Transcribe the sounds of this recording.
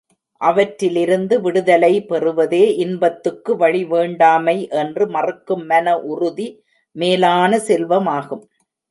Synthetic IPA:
ʔɐʋɐʈɾɪlɪɾɯnd̪ɯʋɪɽɯðɐlɐɪpɛrɯʋɐðeːʔɪnbɐt̪ːɯkːɯʋɐɻiʋeːɳɖaːmɐɪʔɛndrɯmɐrɯkːɯmːɐnɐʔʊrʊði | meːlaːnɐsɛlʋɐmaːɣɯm

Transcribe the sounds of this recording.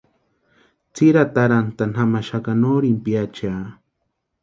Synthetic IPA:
t͡siɾat̪aɾant̪anamaʃakanoːɾimpjat͡ʃaː

